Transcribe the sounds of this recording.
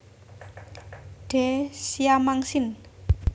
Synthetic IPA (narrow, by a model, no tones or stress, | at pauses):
ɖ̥ɛsiamaŋsɪn